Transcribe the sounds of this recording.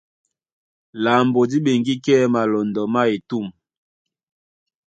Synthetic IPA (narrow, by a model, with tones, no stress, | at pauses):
la˨mbo˨di˦ɓe˨ŋɡi˦kɛ˦ma˨lɔ˨ndɔ˨ma˦e˨tu˦˨m